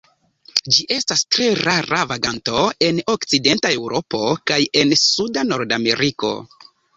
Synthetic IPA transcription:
d͡ʒiʔe̞stastɾe̞ɾaɾavaɡanto̞e̞no̞kt͡side̞ntae̞wɾo̞po̞kaje̞nsudano̞ɾdame̞̰ɾiko̞̰

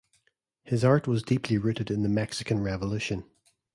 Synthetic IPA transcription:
hɪzaɹʔwɒzdipʰlˠiɹʉʔɪdɪ̃nðəmɛksɪkə̃nɹɛvəlˠʉʃə̃n

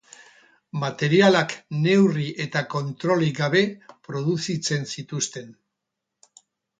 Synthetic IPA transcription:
mat̪e̞ɾialakne̞wriʔe̞t̪ako̞nt̪ɾo̞liɡaβ̞e̞pɾo̞ðusit͡se̞nsit̪ust̪e̞n

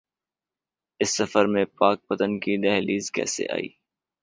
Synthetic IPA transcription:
ɪsːɐfəɾmẽpaːk̚pɐt̪ənkid̪ɛɦliːzkɛ̰ːsḛʔa̰ːḭː

